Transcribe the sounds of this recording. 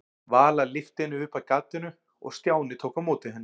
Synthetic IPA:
vaːlalɪft̪ɪnʏʏhpaðkat̪ːɪnʏ | ɔ̰ɣst̪jaːwnɪt̪ʰoːwkamoːt̪ɪɦɛnː

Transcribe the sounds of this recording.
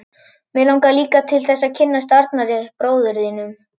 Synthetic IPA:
mɛlawŋkaliːkat̪ʰɪlθɛsːacʰɪnːast̪aɾt̪naɾɪpɾoːwðʏɾðinʏm

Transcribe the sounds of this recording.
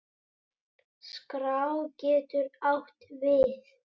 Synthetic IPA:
skɾawcɛːt̪ʏɾawht̪vɪθ

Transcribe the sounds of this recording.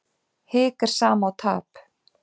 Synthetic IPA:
hɪːkaɾ̥saːmaːwt̪ʰa̰ːp

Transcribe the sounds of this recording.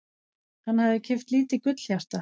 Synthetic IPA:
hanːhaðɪcʰɛft̪liːt̪ɪkʏt̪l̥jar̥t̪a

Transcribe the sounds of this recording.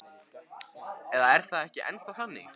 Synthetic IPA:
ɛðaɛɾ̥θaðɛhcɪʔɛ̰nst̪aθanːɪ̰x

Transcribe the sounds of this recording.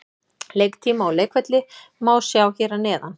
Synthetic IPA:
lejk̚t̪ʰiːmaɔleːjkvɛt̪lɪ | maːwsjaːwçɛːɾanɛːðan

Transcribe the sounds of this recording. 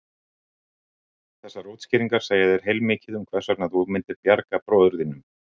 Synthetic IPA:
θɛsːaɾowt̪scɪːɾiŋkaɾ̥saːjaðɛɾ̥ɦejlmɪːcɪðʏmkʰvɛ̥saɾt̪naðumɪnt̪ɪɾpjaɾkapɾɔːðʏɾðinʏm

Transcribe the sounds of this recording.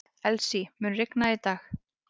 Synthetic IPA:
ɛlsimʏːnrɪknait̪aːx

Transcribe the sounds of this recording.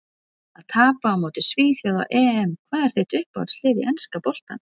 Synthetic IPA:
aðt̪ʰaːpaːmoːwt̪ɪ̥sviːθjawða̰wʔɛːɛmkʰvaːðɛɾ̥θeht̪ʏhpa̰ðslɪːðɪ̰ʔɛnskapowl̥t̪a̰n

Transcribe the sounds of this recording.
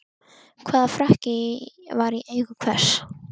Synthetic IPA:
kʰvaːðafɾahcɪvaɾiʔeːjɣʏkʰvɛr̥s

